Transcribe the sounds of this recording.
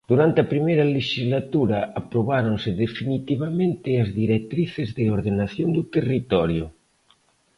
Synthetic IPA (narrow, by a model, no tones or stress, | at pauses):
d̪uɾant̪eapɾimejɾaleʃizlat̪uɾaapɾoβaɾonseðefinit̪iβ̞amẽnt̪ɪazðiɾek̚t̪ɾiθezðeoɾðenaθjond̪ut̪erit̪ɔɾjo